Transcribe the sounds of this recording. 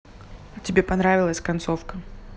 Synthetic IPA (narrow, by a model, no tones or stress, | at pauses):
t͡sʲɪbʲɛpanɾavʲɪlˠəsʲkant̪sɔfkɐ